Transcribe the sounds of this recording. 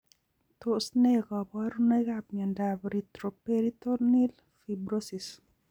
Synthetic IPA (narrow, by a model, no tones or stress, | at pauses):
t̪osnekɔbɔɾunekabɲɛndabɾit̪ɾopeɾit̪onil | fibɾosis